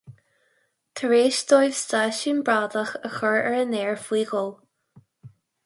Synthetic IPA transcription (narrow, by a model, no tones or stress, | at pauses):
t̪ʰəɹeːʃt̪ojv̥st̪aʃiːnbɹaːd̪əxəxəɹɛɹəneːɹfwiːɡəl